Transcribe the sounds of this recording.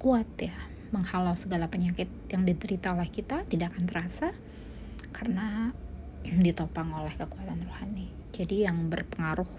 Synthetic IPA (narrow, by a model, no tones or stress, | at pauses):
kuat̪ja | məŋhalawsəɡalapəɲakɪt̪̚jaŋdit̪əɾit̪aolɛhkit̪at̪idaʔːkant̪əɾasa | kʰarəna | dit̪opaŋolɛhkəkuat̪anrohani | d͡ʒadijaŋbərpəŋaɾʊh